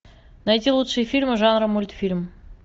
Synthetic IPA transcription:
nɐjt̪ʲilˠut̪ʂɨjəfʲilʲmɨʐanɾəmulʲt̪fʲilʲm

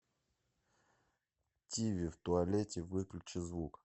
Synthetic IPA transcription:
tʲivʲɪft̪ʊɐlʲetʲɪvɨklʲʊt͡ɕɪzvuk

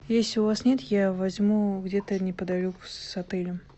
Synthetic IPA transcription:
jesʲlʲɪʊvasnʲe̞t̪javɐzʲmuɡdʲet̪ənʲɪpəd̪ɐlʲokʊsɐt̪ɛlʲɪm

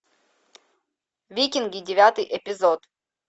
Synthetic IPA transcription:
vʲikʲɪnɡʲidʲɪvʲat̪ɨjʔɛpʲɪzot̪

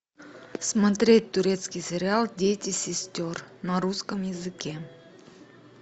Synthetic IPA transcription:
smɐt̪ɾʲet̚ʲt̪ʊɾʲet̪skʲɪjsʲɪɾʲɪalˠdʲetʲɪsʲɪsʲtʲornɐɾuskəmjɪzɨkʲe

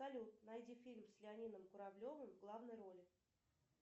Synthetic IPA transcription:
ɐlʲut̪̚nɐjdʲifʲilʲmsʲlʲɪɐnʲinəmkʊɾɐblʲo̞vɨmvɡlˠavnəjɾo̞lʲɪ

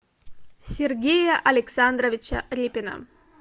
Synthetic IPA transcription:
sʲerɡʲejɐʔɐlʲɪksand̪rovʲɪt͡ɕɐɾʲipʲɪnə̰

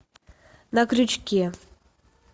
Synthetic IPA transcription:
nɐkɾʲut͡ɕkʲe

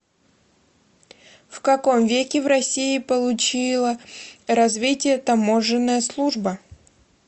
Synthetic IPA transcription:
fkɐko̞mvʲekʲɪvrɐsʲiɪpəlˠʊt͡ɕilˠəɾɐzvʲitʲɪjət̪ɐmoʐɨnːəjəslˠuʐbə

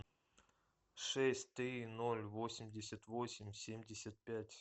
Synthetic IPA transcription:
ʂɛsʲtʲt̪ɾʲinolʲvosʲɪmʲdʲɪsʲət̪vosʲɪmʲsʲemʲdʲɪsʲət̪̚pʲætʲ

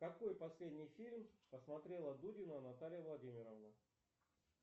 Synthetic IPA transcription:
kɐko̞jpɐsʲlʲedʲnʲɪjfʲilʲmpəsmɐt̪ɾʲe̞lˠəd̪udʲɪnʊɐnɐt̪alʲɪjəvlˠɐdʲimʲɪɾəvnə

